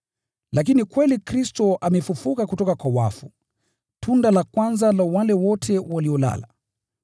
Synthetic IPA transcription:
lak̬inikwɛlikɾistɔʔamɛfufukakutɔkakwawa̰fu | tʰundalakwanzalawalɛwɔtʰɛwaliɔla̰la

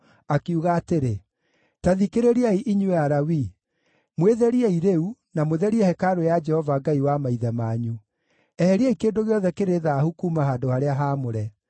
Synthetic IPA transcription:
akeuɣaːteɾe | taðikeɾeɾiaiʔiɲuɛaɾawi | mweðɛɾiɛiɾeunamoðɛɾiɛhɛkaɾojad͡ʒɛhɔvaɡaiwamaiðɛmaɲu | ɛhɛɾiɛikeːndoɣeɔðɛkeɾeðaːhukumaɦaːdohaɾeaɦaːmoɾɛ

